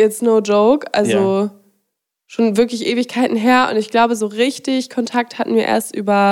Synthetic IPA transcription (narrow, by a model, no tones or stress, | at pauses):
ʔɪtsnoʊd͡ʒoʊkʔa̰lzo | ʃoːnvɪɐklɪçʔeːvɪçkʰaɪtn̩ɦeːɐʔʊ̰ntɪçɡ̥laʊbəzoːʁɪçtɪçkʰɔntʰak̚thatn̩viːɐʔḛːɐstʔyːbɐ